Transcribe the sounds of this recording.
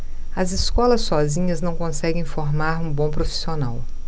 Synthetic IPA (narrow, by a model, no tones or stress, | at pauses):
ɐziskɔlɐsːɔzĩɲɐznɐ̃w̃kõsɛɡẽj̃foɾmaɾũbõw̃pɾofi̥sionaw